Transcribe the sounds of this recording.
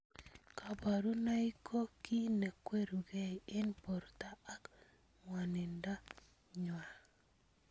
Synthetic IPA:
ka˨ba˨ɾu˦na˦i˦kʰo˦ki˦ne˨kwe˦ɾu˨ɡe˦e˦npɔ˨ɾtaː˦k | ŋwa˨ni˨nda˦ | ɲwa˨

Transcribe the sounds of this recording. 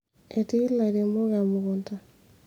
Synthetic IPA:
e˨ti˦la˨ɾe˨mo˦ɣa˨mu˨ɣo˨nta˦

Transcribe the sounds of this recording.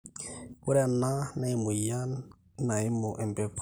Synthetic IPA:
kʊ˦ɾa˨na˦na˨i˦mʊ˨ja˦n | na˨ɪ˦mʊ˨ʔɛ˨mbɛ˦kʰ

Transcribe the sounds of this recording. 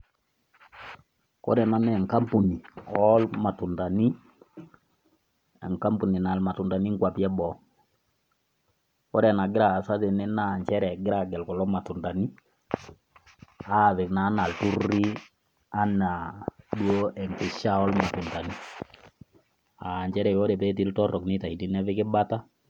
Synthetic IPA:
kɔ̰˦ɾɛ˨na˨nɛ˦˨ŋka˦mpu˨ni˨ɔ˦lma˨tu˨nta˨ni˦ | ɛ˨ŋka˦mpu˨ni˨na˨lma˨tʊ˨nda˨ni˦ŋ˦kwa˨pjɛ˦bɔ˨ | kɔ˦ɾɛ˨na˨ɡɪ˦ɾa˨sa˦tɪ˨nɛ˦na˦˨ɲt͡ʃɛ˦ɾɛ˨ɡɪ˦ɾa˨ɡɛ˨lkɔ˨lɔ˦ma˨tu˨nda˨ni˦ | a˦˨ðɪ˨kna˨˦na˨ltu˦ri˦ | a˦na˨ɗwo˦ɛ˨ŋkɪ˨ʃa˦ɔ˦lma˨tʊ˨nta˨ni˦ | a˨ɲt͡ʃɛ˦ɾɛ˨kɔ˦ɾɛ˨pɛ˦t̬i˦ltɔ˦rɔ˨knɪ˦ta˨i˨di˦nɛ˦fɪ˦kɪ˦ba˦ta˦

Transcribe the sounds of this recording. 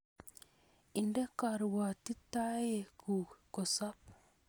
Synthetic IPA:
i˨nde˦ka˨ɾwa˨ti˦ta˦je˨ku˨ko˨sa˦p

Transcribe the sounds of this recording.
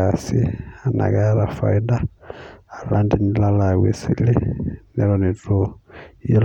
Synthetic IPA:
asi˦a˨na̰˨ka˦ɾa˨fa̰˨i˦daː˦˨ | landi˦nila˦la˨wḛ˨sḭ˦li˦nɛ˦ɾɔni˨tʼu˦ji˦l

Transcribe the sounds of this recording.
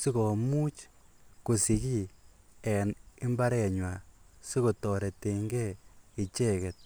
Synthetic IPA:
si˦kɔ˨mu˦t͡ʃ | ku˨si˨ki˦˨ɛ˨nɪ˦mba˦ɾɛ˨ɲwa˨si˦ko˨tɔ˨ɾɛ˨te˨ŋɡɛ˦i˨t͡ʃe˦kɛ˨t̚

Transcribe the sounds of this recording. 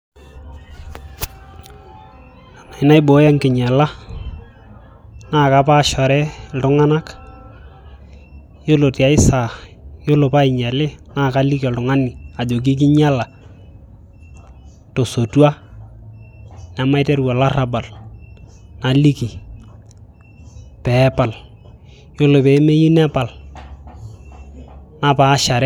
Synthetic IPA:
a˨na˨ɪ˦na˦ɪ˦bo˨˦ja˦ŋkɪ˨ɲa˨la˦ | naː˦˨ka˦pa˦˨ʃɔ˨ɾɛ˦ltʊ˦ŋa˦na˦k | jo˦lo˨ti˨a˨ɪ˦sa˨jo˦lo˨pa˦ɪ˨ɲa˨lɪ˦na˦˨ka˦li˦ka˨ltʊ˨ŋa˦ni˨a˨d͡ʒo˨k̬i˦k̬ɪ˦ɲa˦la˨ | to˨so˨tu˦a˦ | nɛ˨ma˦ɪ˦tɛ˦ɾwɔ˨la˦ra˨ba˨l | na˨li˦ki˨ | pɛ˨˦pa˨l | jo˦lʊ˨pɛ˨˦me˦ji˦nɛ˦pa˨l | na˨pa˨˦ʃa˨ɾɛ

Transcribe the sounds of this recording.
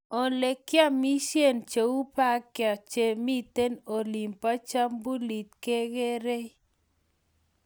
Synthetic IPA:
o˨le˨kja˦mi˦ʃje˦˨nt͡ʃe˨wu˦pa˦kja˨t͡ʃe˨mi˦t̪e˦no˨li˨mpa˦t͡ʃa˦mbu˦li˨t̪ke˦ɡe˦ɾe˦

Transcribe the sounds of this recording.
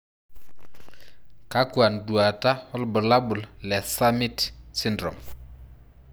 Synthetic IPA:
ka˦kwa˨ndu˨a˨ta˦hɔ˦lbʊ˨la˦bu˨llɛ˨sa˦mi˦tsi˦ndɾɔ̰˨m

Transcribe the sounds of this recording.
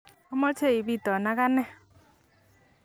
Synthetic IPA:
ɔ˦mɔ˦te˦i˨βi˦˨tɔ˨na˦ɣa˦nɛ˦

